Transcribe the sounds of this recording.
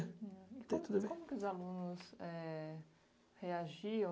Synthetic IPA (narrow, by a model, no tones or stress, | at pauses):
ikt̪ẽt̪ud̪ʊbekõmʊkɪʊzalũnʊsɛ | heaʒiɐ̃